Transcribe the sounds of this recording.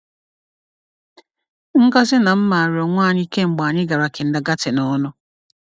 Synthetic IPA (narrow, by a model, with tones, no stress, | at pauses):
ŋ̩˦ka˦sɪ˦na˨m̩˦ma˨ɾɪ˨ɔ˨ŋʷaː˦˨ɲ˦i˦ke˦ŋ͡m̩˨ɡ͡ba˨ɲɪ˦ɡa˨ɾa˨kɪ˨n̩˨da˨ɡa˦tɪ˨nɔ˦nʊ˦